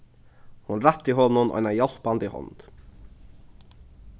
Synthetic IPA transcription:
hʊnɾæt̪ːiːɦɔnʊnʔɔ̰ɪnɑjɑl̥pɑnd̪iːhɔ̰nd̪̥

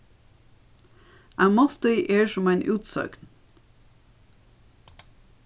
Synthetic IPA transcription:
ʔæmɑft̪əɪʔeːɹʃɔmæɪnʔʉːt̪sø̰ːkn

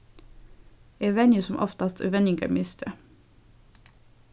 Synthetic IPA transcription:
eʋɛnjʉsɔmʔɔ̰ft̪ɑst̪ʰʉ̰ʋɛnɪŋɡɑ̰mɪst̪ʰə

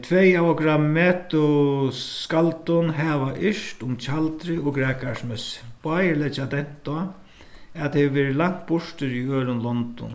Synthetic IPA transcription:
t̪ʰvɛjavɔkɾammɛːt̪ʊ | skalt̪ʊnɦɛːʋaʔɪʂt̪ʊmt͡ʃʰalt̪ɾɪɔɡɾɛːkasmɛsb̥aːjɪlɛt͡ʃad̪ɛn̥t̪ɔa | aðt̪hɛʋɛːɾɪlaŋ̥t̪̚bʊʂt̪ɪɾiøːɾʊnlɔnt̪ʊ̰n

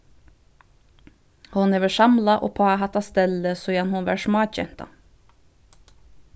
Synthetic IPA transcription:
hʊneːʋæʃɑmlɑʔo̰ːpʰɑːɑhɑt̪ɑst̪ɛləsoːjɑnhʊnʋæ̰ːʃmɑːçɛ̰nt̪ɑ̰

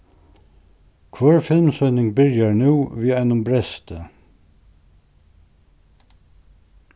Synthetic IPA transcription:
kʰʋœːɹfɪlmsœʏnɪŋbɪɾjəɹnuːʋiːæɪnʊmbɹɛst̪ə

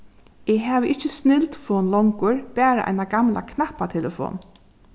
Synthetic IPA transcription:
ɛɦɛːʋʔɪht͡ʃːɪsnɪlt̪fɔːnlɔŋkʊɹpæːɾa̰ʔa̰jnaɡamlʔa̰kʰnahpat̪ʰɛlɛfɔ̰ːn

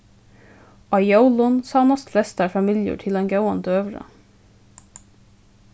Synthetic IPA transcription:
ʔɑɪoʊlʊnsɑːnɔst̪flɛst̪æːfɑmɪljṵːʈʰɪlɛnɡɑʊɑnd̪əøːʋɹə̰

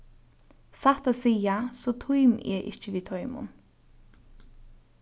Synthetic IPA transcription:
sat̪asiːasoːt̪ʰʊʏmḛːʔɪ̰çəʋiːt̪ʰɔʏmʊ̰n

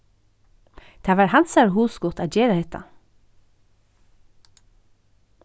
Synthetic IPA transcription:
d̪̥æːʋɑːɾhɑnsɑɹhuːskʊʁt̪ʰɑːd͡ʒeːɾəhɛt̪ɑ̰

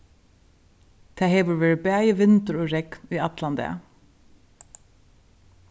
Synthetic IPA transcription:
t̪ʰæheːʋəɹʋeːɹɪbæːjəʋɪnt̪əɹoːɹɛkniːɑt̪lɑnd̪ɛ̰

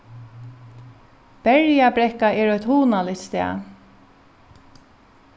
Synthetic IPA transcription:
b̥ɛɹjabɾɛhkaɛːɹɔjt̪huːnalɪçt̪st̪ɛ̰ː

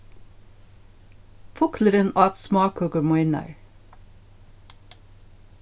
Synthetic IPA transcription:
fʊkʰləɾənɑːt̪smɑːkʰɔɡəmɔɪnɑ̰ɹ

